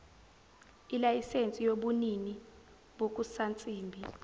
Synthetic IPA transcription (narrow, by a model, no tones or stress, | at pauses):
ilajisent͡sʼijoɓunini | ɓok̬ʼusant͡sʼiːmbʱi